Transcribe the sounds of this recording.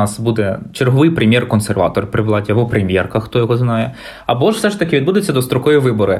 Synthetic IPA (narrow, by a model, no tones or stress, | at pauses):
ɑsbud̪ɛt͡ʃerɦɔʋɪjpɾɪmʲjɛrkɔnsɛrʋɑ̰t̪ɔrpɾɪʋlˠɑtʲiɐbɔpɾɪmʲjɛrkɐxt̪ɔjɔɦɔznɑjɛ | ɐbɔʂfsɛʂt̪ɐkʲɪʋʲid̪bud̪ɪt͡sʲːɐd̪ɔst̪ɾɔkɔjiʋɪbɔɾɪ